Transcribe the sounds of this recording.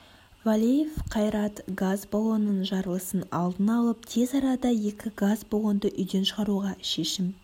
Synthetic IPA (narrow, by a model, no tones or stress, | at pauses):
valʲijefqʰɑjɾɑt̪ɡazbolˠo̞nːənʒɑɾəlˠəsənɑ̰lˠd̪ənɑlˠəp̚t̪ʰe̞zɑɾɑd̪ɑje̞kʲɪɡazbolˠo̞nd̪əʔʏjd̪e̞nʃəʁɑɾuʁɑʃe̞ʃɪm